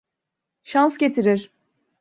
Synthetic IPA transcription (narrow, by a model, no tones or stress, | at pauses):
ʃansɟe̞t̪ʰiɾiɾ̥